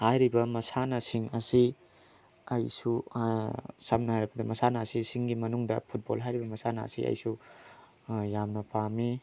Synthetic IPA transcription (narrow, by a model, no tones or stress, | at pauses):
hajɾibɐmɐsanɐsiŋɐsi | ɐjsu | sɐmnɐhajɾɐbɐdɐmɐsanɐːsisiŋɡimɐnuŋdɐ̰pʰut̚bolɦajɾibɐmɐsanɐ̰ːsḭʔɐ̰jsu | jamnɐpami